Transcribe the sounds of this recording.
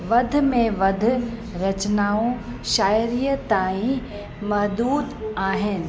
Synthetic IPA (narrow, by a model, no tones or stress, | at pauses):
ʋɐd̪ʱmẽʋɐd̪ʱɾɐt͡ʃnaːõʃaːjɾijət̪aːĩ | mɐɦd̪uːd̪aːɦɪnɪ̆